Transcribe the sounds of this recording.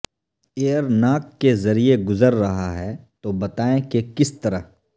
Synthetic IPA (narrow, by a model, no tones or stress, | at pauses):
eəɾnaːkːezɐɾieɡʊzəɾːɐɦaɦɛt̪obɐt̪aːẽkekɪst̪ɐɾə̰ɦ